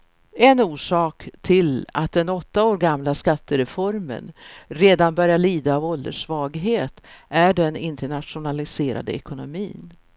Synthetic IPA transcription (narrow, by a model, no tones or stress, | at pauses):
ɛnuːʂɑːkt̪ʰɪla̰t̪̚d̪ɛnɔt̪ːaoːɾɡamlaskat̪ʰːəɾɛfɔɾmə̰nɾeːd̪anbœɾjaɭiːd̪aːvɔld̪əʂvɑːɡɦeːt̪ʔæɖɛnɪnt̪əɳat̪ʂʊnalɪseːɾa̰d̪ə̰ɛkʊnʊmiːn